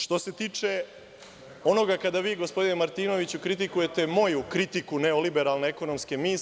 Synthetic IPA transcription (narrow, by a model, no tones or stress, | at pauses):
ʃt̪o̞se̞t̪iːt͡ʂe̞ | o̞no̞ɡakad̪aʋiːɡo̞spo̞d̪inemaɾt̪iːno̞ʋit͡ɕukɾit̪̬ikuje̞t̪e̞mo̞jukɾit̪ikuneolibeɾalˠneeko̞no̞mske̞miːs